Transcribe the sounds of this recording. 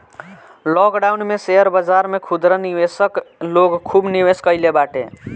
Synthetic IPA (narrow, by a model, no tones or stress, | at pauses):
lɔkɖaunmeseɦəɾbəd͡ʒaɾmekʰud̪ɾəniwesəkloɡkʰːubniweskəɪlebaʈḛ